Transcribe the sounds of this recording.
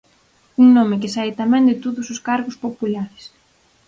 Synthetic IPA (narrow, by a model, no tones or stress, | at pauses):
uŋnomɪk̬ɪsaet̪amɛ̃ŋd̪ɪt̪oðʊsʊskaɾɣʊspopulaɾɪs